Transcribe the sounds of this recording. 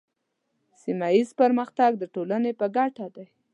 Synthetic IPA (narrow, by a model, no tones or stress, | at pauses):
simajizpəɾməxt̪aɡ̚d̪əʈolanepəɡaʈad̪aj